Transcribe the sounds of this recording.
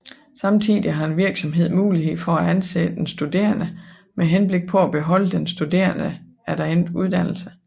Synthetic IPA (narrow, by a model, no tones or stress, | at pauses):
sɑ̈mt͡sʰið̰ˠiɦɑ̈e̝nʋiɐɡ̥sɒ̽mɦe̝ð̞̰ˠmuːliɦe̝ð̰ˠfɒ̽æænsḛdəd̥ensd̥ud̥e̝̰ːɐnə | meɦenb̥le̝ɡ̥̚pʰɒ̽æb̥e̝ɦɒ̽l̰əd̥ensd̥ud̥e̝̰ːɐnə | æd̥æend̥uð̞ˠd̥æn̰l̩sə